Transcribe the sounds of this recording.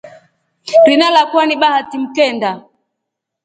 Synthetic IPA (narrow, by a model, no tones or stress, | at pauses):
ɾinalakwaniɓahatim̩kɛnda